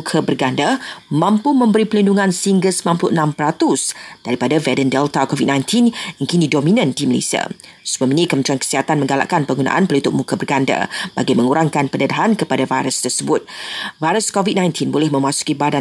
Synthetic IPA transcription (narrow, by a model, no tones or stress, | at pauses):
ukʰəbərɡandamãmpumə̃mbəɾipəlinduŋãnsiŋɡəsmãmpluʔənãmpəɾat̪ʊsd̥aɾipadavɛdəndɛlt̪akɔvit̚nãjnt̪ʰinəŋkinidɔmĩnə̃ndiməlḛsia̰ | sumaminikəmənt̪ɾiankə̥siɦat̪anmə̃ŋɡala̰ʔkanpəŋɡuna̰ʔanpəlit̪ʊʔ̚mukəbərɡanda̰ba̰ɡimə̃ŋuɾaŋkanpənədaɦankəpadavajɾəst̪ərsəbʊt̪̚vajɾəskɔvit̚nãjnt̪ʰinbolɛhmə̃masu̥kibada